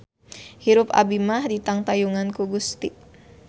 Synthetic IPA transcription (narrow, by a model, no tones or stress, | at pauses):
hiɾupa̰bimahdit̪aŋt̪ajuŋankuɡust̪i